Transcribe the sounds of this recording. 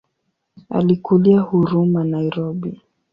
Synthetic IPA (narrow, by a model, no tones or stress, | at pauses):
a̰likuliahuɾumanaiɾɔbi